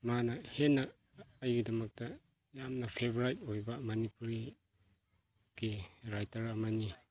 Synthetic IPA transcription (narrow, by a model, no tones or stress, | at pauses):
manɐhenːɐː | jɡidɐmɐk̚tɐ | jamnɐpʰebɾajtojbɐmanipuɾi | ɡ̥iɾajtaɾamani